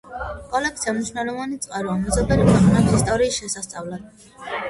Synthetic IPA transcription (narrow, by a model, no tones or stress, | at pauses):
kʼɔlɛk̚sʰiamniʃunɛlˠɔvanit̪sʼqʼaɾɔamɛzɔbɛlimaχnat̪ʰist̪ʼɔɾiːsʃɛsast̪sʼavlad̪